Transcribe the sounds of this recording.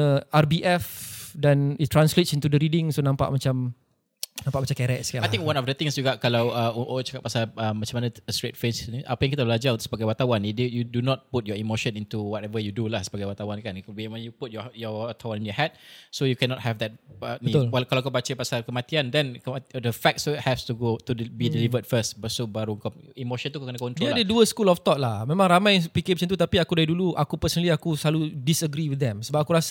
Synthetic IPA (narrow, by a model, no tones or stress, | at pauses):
əarbiʔɛfdɛnit̪ːɾãnsletsint̪udəɾidɪŋsonãmpa̰ʔmat͡ʃam | nãmpaʔmat͡ʃamkɛɾɛʔskalaj̪ĩŋkwãnɔfdət̪ɪ̃ŋsd͡ʒuɡaʔkalawəʔt͡ʃḁkat̪̚pasaləmmat͡ʃamanãəstɾet̪̚fɾɛnsniʔapajaŋkit̪abəlad͡ʒaɾt̪u̥səbaɡajwat̪awanidəjudunɔt̪̚put̚jɔimoʃə̃nint̪uwɔtɛvəjudulahsəbaɡajwat̪awankanbimanjuput̚jɔjɔat̪ʰawaninjɔhɛt̚sojukɛnɔt̚hɛvd̪ɛt̚ənĩt̪walkalakobat͡ʃəpasalkəmat̪iandɛnkdəfɛk̚tsit̚hɛpstuɡot̪udbidɛlivədfəstbəsobaɾuŋkɔmimoʃə̃nt̪ukkənakɔ̃nt̪uaadeduəskulɔft̪ɔʔ̚lahmẽmãŋɾamãjpiket͡ʃənt̪̬ut̪apiakudaiduluʔakupəsənəliakuslaludisəɡɾiwidɛ̃msəbap̚akuɾas